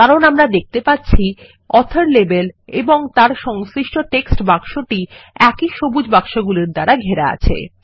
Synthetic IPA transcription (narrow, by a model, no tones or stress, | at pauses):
kaɾonamɾad̪ek̚ʰt̪epatːɕʰi | ɔt̪ʰaɾlebelḛboŋt̪aɾʃɔŋsɾiʃʈoʈeksʈbakʃoʈiɛkiʃobud͡ʑbakʃoɡuliɾd̪aɾaɡʱeɾaa̰t͡ɕʰḛ